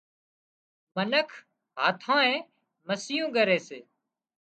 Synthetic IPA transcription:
mənəkʰ | ɦaːt̪ʰãːẽː | məsɪːũːɠəɾeːsḛː

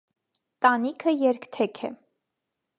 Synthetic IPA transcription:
t̪ɑnikʰəjɛɾkt̪ʰɛkʰɛ̰

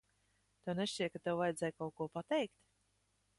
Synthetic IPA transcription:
t̪awneʃt͡ʃijkat̪ewvajd̪zʲɛjkawkuɔpat̪ɛjkt̪

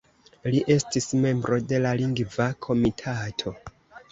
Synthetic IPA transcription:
liʔe̞stisme̞mbɾo̞de̞laliŋɡvakʰo̞mitʰatʰo̞

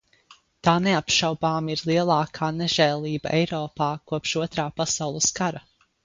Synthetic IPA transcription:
t̪aːneapʃawbaːmiɾlˠiɛlˠaːkʰaːnɛʒɛːlˠiːbaɛjɾɔːpaːkuɔpʃuɔt̪ɾaːpasawlˠəskaɾa

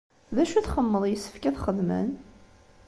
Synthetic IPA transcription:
ðæʃuθχəmːəðˤjəsːə̥fkæθχəðmə̰n

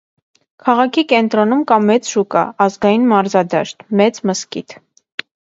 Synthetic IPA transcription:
kʰɑʁɑkʰikɛnt̪ɾɔnumkɑmɛt͡sʃukɑ̰ːzɡɑjinmɑɾzɑd̪ɑ̰ʃt̪mɛt͡sməskḭt̪ʰ

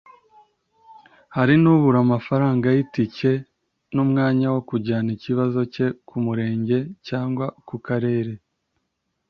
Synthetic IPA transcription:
haɾinuβuɾamafaɾaːŋɡajitice̞ | numŋaːɲawokuɟaːniciβazo̞ce̞kʰumuɾe̞ːɲɟe̞caːŋɡwakukaɾe̞ːɾe̞

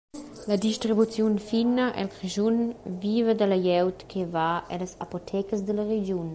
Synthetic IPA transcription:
ləd̪iʃtɾibut͡sjunfinəʔɛ̰lkɾeʒunviːvəd̪əlɐjɛwt̪kʰevaɛ̰ləsa̰pot̪ʰɛkəs̬d̪ələɾed͡ʒjun

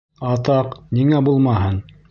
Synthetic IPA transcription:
ɑt̪ɑqniŋæbulˠmɑhɤn

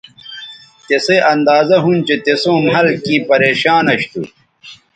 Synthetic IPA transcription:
t̪eseʔɐnd̪aːzɐɦunt͡ɕet̪esõːmɦɐlkĩːpɐɾeːɕaːnɐɕt̪ṵ

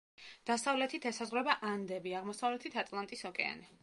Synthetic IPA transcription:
d̪̥asavlɛt̪ʰit̪ʰɛsazʁɾɛbaʔand̪ɛbiaʁmɔsavlɛt̪ʰit̪ʰat̪ʼlˠant̪ʼisɔkʼɛ̰a̰nɛ

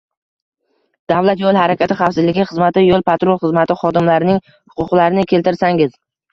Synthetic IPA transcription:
d̪̥avlat̪jolˠhaɾakʲat̪ɪχafsɪzlɪɡʲɪχɨzmat̪ɪjolˠpʰat̪ɾolˠχɨzmat̪ɪχɒd̪ɪmlaɾɪnɪŋ | hʊ̥qʰʊqlaɾɪnɪkʲʰelt̪ɪɾsaŋɪz̥

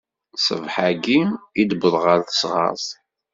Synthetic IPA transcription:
sə̰vħaɡimid̪bəðˤʁəɾθə̥sʁɑ̰zˤ

